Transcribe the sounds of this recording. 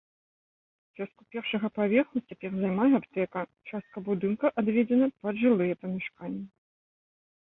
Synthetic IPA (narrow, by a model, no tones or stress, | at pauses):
t͡ʃʲast̪kupʲɛrʂɐɣɐpavʲɛxlˠut͡sʲapʲɛrzajmajɛapt̪ɛkɐt͡ʂast̪̚kɐbud̪ɨnkɐʔad̪vʲɛd͡zʲɛnɐpɐd̪ʐɨlˠɨjɛpɐmʲɛʂkanʲːɛ